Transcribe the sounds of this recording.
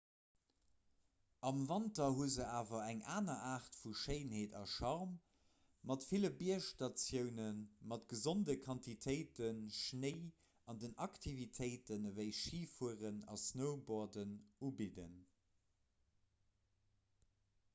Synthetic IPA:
ɑmvɑntɐɦuəzəaːvɐæŋaːnɐʔaːʁtfuʃəɪnheːtɑ̰ʃɑʁmː | ɑtfiləbiɐʃtɑt͡sjəʊnənmɑtɡ̥əzondəkʰɑntitʰəɪtənʃneɪ | ɑndənʔɑktʰivitʰəɪtənvəɪʃiːfuəʁənɑ̰snəʊboɐdənubidə̰n

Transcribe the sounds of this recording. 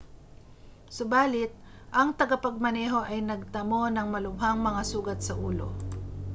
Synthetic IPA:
sʊbaːlɪt̪̚ | ʔɐŋt̪ɐɡapɐɡ̚mɐnɛːɦo̞ʔɐjnɐɡ̚t̪ɐmonɐŋmɐlʊmɦaŋmɐŋasuːɡɐt̪̚sɐʔuːlo̰

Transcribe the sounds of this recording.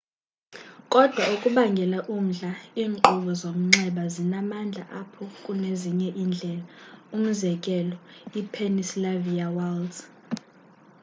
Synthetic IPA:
kʼɔd̥ʱwaukʼuɓaŋɡʱɛlaʔum̩ɮaiːŋ͡ǃuɓɔzom̩ŋ͡ǁɛɓazinamand͡ɮʱa̰ʔapʰɔkʼuneziɲɛʔind͡ɮʱɛlaum̩zɛkʼɛlɔipʰenislaviawald

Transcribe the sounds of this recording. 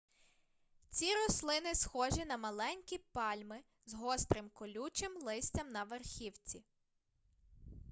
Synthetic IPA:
t͡sʲiɾɔslˠɪnɪsxɔʒʲinɐmɐlˠɛnʲkʲipɑlʲmɪ | zɦɔst̪ɾɪmkɔlʲut͡ʃɪmlˠɪsʲt͡sʲɐmnɐʋerxʲiwt͡sʲi

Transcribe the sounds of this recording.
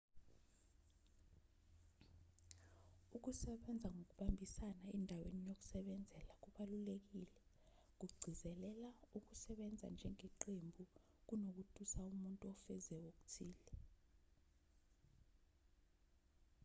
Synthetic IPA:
uk̬usɛɓɛnd͡zʱaŋʱok̬uɓambʱisanaɛndʱawenijok̬u̥sɛɓɛnd͡zʱɛlak̬uɓalulek̬ilɛ | k̬uɡ͡ǀʱizɛlɛlauk̬usɛɓɛnd͡zʱa̰nd͡ʒʱɛŋɛǃembʱu | k̬unok̬utʰʼusaumuntʼuɔfɛzɛok̬u̥tʰiːlɛ

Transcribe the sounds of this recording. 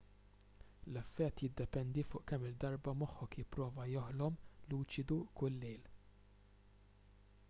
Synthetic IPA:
lɛfːɛt̪ːjɪd̪ːɛpɛnd̪ifʊ̰ːʔkɛmːɪd̪ːɐɾbɐmɔħːɔkjɪpːɾɔːvɐjɔħlɔmluːt͡ʃɪd̪ukʊlːɛːl

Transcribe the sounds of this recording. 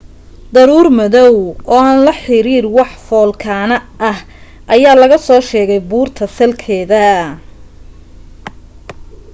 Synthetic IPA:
d̪ɐɾuːrmɐðɔwʔɔːaːnlɐħɪɾiːrwɑħfɔːlkʰaːnɐʔɐh | ʔɐjaːlɐɣɐsɔːʃɛːɣɛjbuːrt̪ʰɐsɐlkʰɛːðɐ

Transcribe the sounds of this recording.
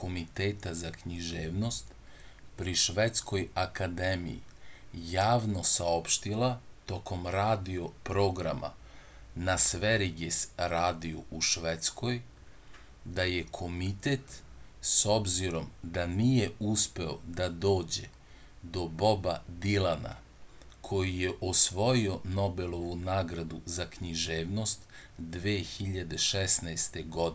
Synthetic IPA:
ko̞mit̪eːt̪azakɲiʒeːʋno̞st̪ | pɾiʃʋet̪sko̞jakad̪emḭjḭjaːʋno̞sao̞pʃt̪ilˠat̪o̞kʰo̞mɾaːd̪io̞pɾo̞ːɡɾa̰ma̰ | nasʋeɾiɡesɾaːd̪iuuʃʋet̪sko̞j | d̪aje̞kʰo̞mit̪et̪ | so̞bziɾo̞md̪anije̞uspe̞o̰d̪ad̪o̞ːd͡ʑe̞̰ | d̪o̞bo̞bad̪ilana̰ | kʰo̞jijeʔosʋo̞jio̞no̞be̞lo̞ʋunaːɡɾad̪uzakɲiʒeːʋno̞st̪d̪ʋeːxiʎad̪e̞ʃɛsnaest̪e̞ɡo̞d̪i

